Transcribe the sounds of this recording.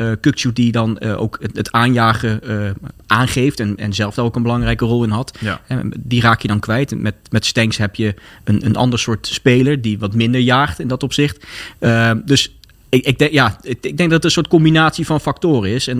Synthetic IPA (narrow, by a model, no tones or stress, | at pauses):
əkɵk̚ʃut̚didɑnʔo̰wkətaːnjaːχə | ʔaːnχejftɛnɛ̰nzɛlˠfdɔnowkənbəlɑŋrɛjkərɔlˠɪnɦɑthɛdiraːkjədɑnkʋɛjtmɛtmɛtstɛŋksɦɛpjəənənʔɑ̰ndəɹsʊːɹtspejləɹdiʋɑtmɪndəɹjaːχtɪndɑtɔpsɪχtədɵs | ɪɪɡ̚dɛjaːɪɪɡ̚dɛŋɡ̚dɑtətə̃nsʊːɹt̚kɔmbinaːtsivɑnfɑk̚toːrəɪsɛn